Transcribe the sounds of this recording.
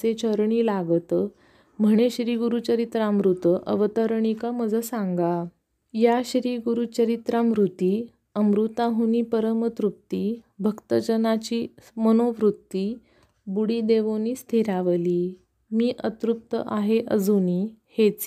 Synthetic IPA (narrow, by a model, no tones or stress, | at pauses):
t͡set͡ɕʰəɾɳiːlaɡt̪ | m̤əɳeɕɾiɡuɾut͡ɕəɾit̪ɾamɾut̪əʔə̰ʋət̪əɾɳikam̤əd͡zʱəsaŋɡa | jaɕɾiːɡuɾut͡ɕəɾit̪ɾamɾut̪iː | əmɾut̪aɦuniːpəɾəmət̪ɾup̚t̪iːbʱəkt̪əd͡ʑənat͡ɕiːmənoʋɾut̪ːiː | buɽiːd̪eʋoniːst̪ʰiɾaʋəliː | miːʔət̪ɾup̚t̪ə̰ʔaɦeʔəd͡zuniːhet͡s